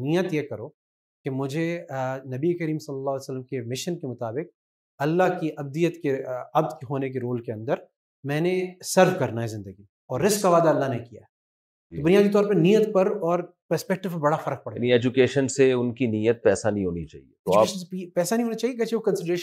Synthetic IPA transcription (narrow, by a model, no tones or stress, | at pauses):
nijət̪jekɐɾoː | kemʊd͡ʒʱenɐbiekəɾiːmsɐlːɐlːaːɦːlːsəlːəmkemɪʃənkemʊt̪aːbɪq̚ | ɐlːaɦkiʔɐb̚d̪ijət̪keɐbd̪keɦoːnek̬eɾoːlkeɐ̃nd̪əɾ | mɛ̃ːnesɐɾʋkɐɾnaɦɛzɪ̃nd̪əɡi | ɔːɾːɪskːaʋaːd̪aɐlːaɦnekija̰ɦɛ | t̪obʊnijaːd̪it̪̬ɔːɾpɐɾnijət̪pɐɾɔːɾ | pɐɾspɛk̚ʈɪʋpɐɾbɐɽafɐɾək̚pɐɽeniɛd͡ʒukeːʃənseʊnkinijət̪̚pɛːsanɐɦĩɦo̰ːnit͡ʃa̰ːɦḭet̪oaːeʃnsepɛːsanɐɦĩɦoːnat͡ʃaːɦijekɛt͡ʃʰiʋokɐ̃nsɪɖɾeːʃ